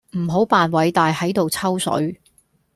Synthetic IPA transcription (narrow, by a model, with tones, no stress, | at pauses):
m̩˨˩ɦo˨˥wpaː˨nwɐ˨˧jt̪aː˨jhɐ˨˥jt̪o˨wt͡sʰɐ˥wsɵ̰˨˥ɥ